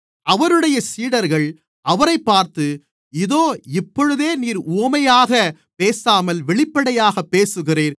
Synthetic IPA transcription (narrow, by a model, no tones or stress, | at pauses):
ɐʋɐɾɯɽɐjɐsiːɽɐɾɣɐɭ | ʔɐʋɐɾɐɪpːaːɾt̪ɯ | ɪðoːɪpːɔɻɯðeːniːɾuːmɐjaːɣɐ | peːsaːmɐlʋɛɭɪpːɐɽɐjaːɣɐpːeːsɯɣɪreːɾ